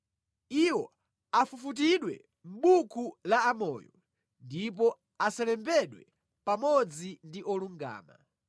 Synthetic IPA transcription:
iwɔ | afufut̬iɗwɛ̰ | m̩ɓukʰulaːmɔːjɔ | ndip̬ɔ | asalɛmbɛɗwɛ | pamɔd͡zindiʔɔluŋɡa̰ːma̰

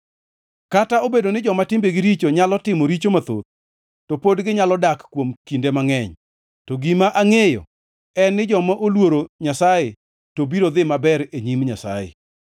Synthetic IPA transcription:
kataobedonɪd͡ʒɔmatɪmbeɡɪɾit͡ʃoɲalɔtɪmoɾit͡ʃomat̪o̰t̪̚ | tɔpodɡɪɲalɔdakkːwomkindemaŋɛɲ | tɔɡimaʔaŋejɔ̰ | ɛnːɪd͡ʒɔmaʔolwoɾoɲasaje | tobiɾod̪ɪmabɛɾeɲimɲasa̰jḛ

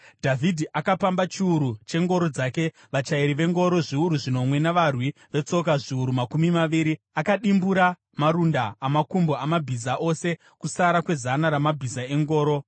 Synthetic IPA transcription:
dʱavʱidʱiʔakapambat͡ʃiuɾut͡ʃe̞ŋɡo̞ɾo̞d͡zaːke̞ | ʋat͡ʃaiɾiʋe̞ŋɡo̞ɾo̞ʐiuɾuʐino̞mwe̞naʋarwiʋe̞t͡so̞k̬aʐiuɾumakumimaʋiːɾi | akaɗimbuɾa | maɾundaːmakumbo̞amabʱizaʔo̞se̞ | kusaɾakwe̞zanaɾamabʱizae̞ŋɡo̞ːɾo̞

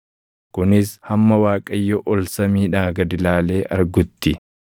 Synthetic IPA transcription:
kʊnɪshɐmːɐwaːkʼɐjːɔʔɔlsɐmiːᶑaːɡɐd̪ɪlaːle̞ːʔɐɾɡʊt̪ːɪ

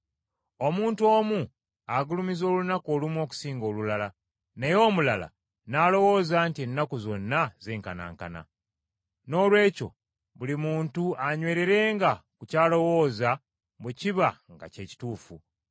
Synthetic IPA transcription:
o̞muːntuo̞ːmu | aɡulumizo̞ːlunako̞ːlumwo̞ːku̥siːŋɡo̞ːlulala | nejo̞ːmulala̰ | nalo̞wo̞ːzaːntie̞nːakuzo̞nːaze̞ːŋkana̰ːŋka̰na̰ | no̞ːlwe̞ːco̞̰ | βulimuːntuaɲwe̞ːɾe̞ɾe̞ːŋɡakucaːlo̞wo̞ːza | bweciβaŋɡa̰ce̞ːci̥tuːfu

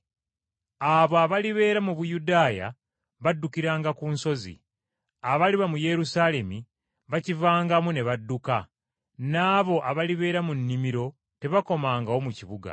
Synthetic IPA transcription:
aβoaβaliβe̞ːɾamuβujudaːja̰ | βadːukiɾaːŋɡakuːnso̞zḭ | aβaliβamuje̞ɾusaːle̞mi | βacivaːŋɡamune̞βadːuka | naːβo̞ʔaβaliβe̞ːɾamunːimiɾo̞ | te̞βako̞maːŋɡao̞muciβuɡa̰

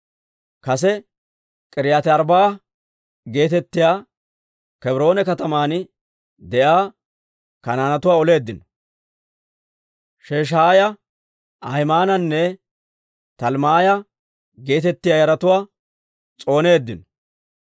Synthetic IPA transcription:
kɐs̬ɛ | kʼɪɾɪjaːt̪ɛɐɾbaː | ɡe̞ːt̪ɛt̪ːɪjaː | kɛbɾo̞ːnɛkɐt̪ɐmaːn | d̪ɛʔaː | kɐnaːnɐt̪ʊwaːɔle̞ːd̪ːɪnɔ̥ | ʃeːʃ̬aːjɐ | ɐjmaːnɐnːɛ | t̪ɐlmaːjɐ | ɡe̞ːt̪ɛt̪ːɪjaːjɐɾɐt̪ʊwaː | t͡sʼo̞ːne̞ːd̪ːɪnɔ

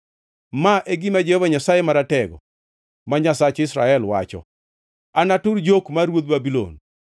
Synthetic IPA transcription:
maʔeɡimad͡ʒehovaɲasajemaɾatɛɡɔ̰ | maɲasat͡ʃɪsɾa̰ɛlwa̰t͡ʃɔ̰ | anatʊɾd͡ʒokmaɾwod̪̚babilo̰n

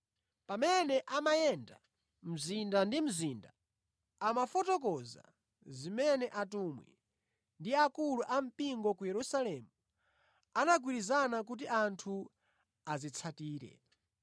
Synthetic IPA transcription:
pamɛnɛʔamajɛnda | m̩zindandim̩zindaː | mafɔtɔk̬ɔza̰ | zimɛnɛʔatumwḭ | ndiakuluʔam̩piŋɡɔkujɛɾusalɛmu | anaɡ̬wiɾizanak̬ut̬iʔantʰu | azit͡sʰatiːɾɛ̰

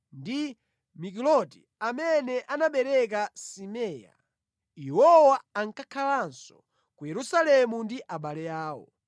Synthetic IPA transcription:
ndi | mik̬ilɔti | amɛnɛʔanaɓɛɾɛk̬asimɛːja̰ | ihɔwaaŋkakʰalansɔ | kujɛɾusalɛmundiʔaɓalɛjaːwɔ̰

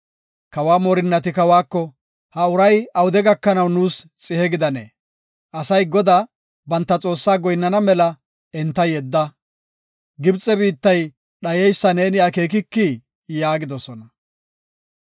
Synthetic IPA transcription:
kɐwaːmɔɾɪnːɐt̪ɪkɐwaːkːɔ | hɐʊɾɐjɐwʊd̪ɛɡɐkːɐnɐwnuːst͡sʼɪhɛɡɪd̪ɐnḛː | ʔɐsɐjɡɔd̪a | bɐnt̪ːɐt͡sʼo̞ːsːaːɡɔjnːɐnɐmɛlɐ | ɛnt̪ːɐjɛd̪ːɐ | ɡɪbt͡sʼːɛbiːt̪ːɐj | ɗɐjɛjsːɐne̞ːnɪake̞ːk̬ɪkːi | jaːɡɪd̪ɔsɔnɐ

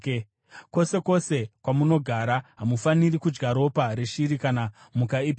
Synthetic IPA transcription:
ko̞se̞ko̞se̞kwamuno̞ɡʱaɾaɦamufanirikud͡ʒɡaɾo̞paɾeʃiɾikana | mukaip

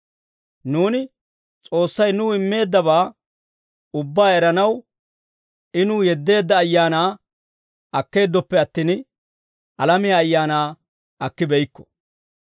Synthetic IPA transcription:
nuːnɪ | t͡sʼo̞ːsːɐjnʊɪmːe̞ːd̪ːɐbaː | ʊbːaːɛɾɐnɐw | ɪnʊjɛd̪ːe̞ːd̪ːɐːjːaːnaː | ɐkːe̞ːd̪ːɔpːɛɐt̪ːiːn | ɐlɐmɪjaːjːaːnaː | ɐkːɪbɛjɪkːɔ̥

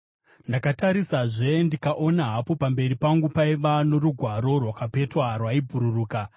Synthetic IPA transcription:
ndakataɾisaʐe̞ndikaʔonaɦapo̞pambe̞ɾipaŋɡupaiʋano̞ɾuɡʱwaɾo̞rwakape̞twarwaibʱuɾuruːka

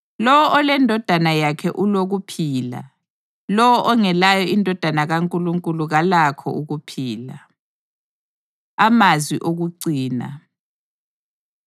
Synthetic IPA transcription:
lɔwɔʔɔlɛndʱɔd̥ʱanajakʰɛʔuloɣupʰiːla̰ | lɔwɔʔɔŋɛlajɔindʱɔd̥ʱanaɣaŋkʼuluŋkʼuluɣalakʰɔ̰uɣupʰiːla | amazwiʔoɣuǀiːna̰

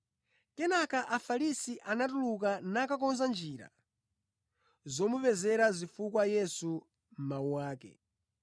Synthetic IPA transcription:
kɛnakaʔafalisiʔanatuluk̬anakak̬ɔnzand͡ʒiːɾa̰ | zɔmupɛzɛɾazifukwajɛsu | m̩mauwaːkɛ̰

